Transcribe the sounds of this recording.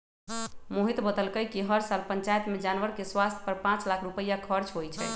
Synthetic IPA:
moɦit̪bəd̪əlkəjkiɦəɾsalpəɲt͡ʃajt̪med͡ʒanʋəɾkeswast̪ʰjə̥pəɾpãt͡ʃlakʰɾupəjakʰəɾt͡ʃɦojt͡ʃʰɛ

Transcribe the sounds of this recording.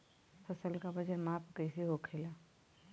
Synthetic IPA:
fʰɐsəlkabɐd͡ʒəɾmaːpʰkəɪseɦokʰeːlaː

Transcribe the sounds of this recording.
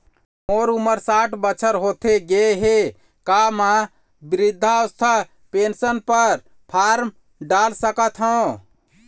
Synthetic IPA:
moɾuməɾsaʈʰbət͡ʃʰəɾɦot̪ʰeɡeɦe | kama | bɾid̪ʱːaəst̪ʰa | pensənpəɾ | pʰaɾm | ɖalsəkət̪ɦə̃

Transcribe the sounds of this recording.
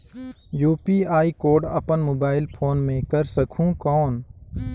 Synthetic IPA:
juːpiːaːikoːɾɖɐ̰pənmoːbaːɪlpʰoːnmẽkɐɾsɐkʰũːkɔːn

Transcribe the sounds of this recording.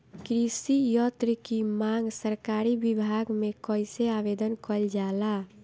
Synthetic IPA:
kɾisijɔːt̪ɾikimãŋɡsəɾkaːɾibɪbʱaːɡmẽkɔɪseaʋed̪ənkəld͡ʒaːlaː

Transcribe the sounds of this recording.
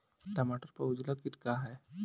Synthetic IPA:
ʈɐmaːʈəɾpəʊd͡ʒlakɪʈkaɦɛː

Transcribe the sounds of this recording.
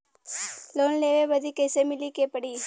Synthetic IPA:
loːnleːʋeʋɐd̪ʱikɐɪsemɪlikeːpəɽi

